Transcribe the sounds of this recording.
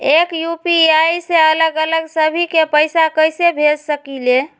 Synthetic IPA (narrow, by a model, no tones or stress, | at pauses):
ekjupiajseələɡələɡsəbʱikepəjsakəjsebʱed͡ʒsəkile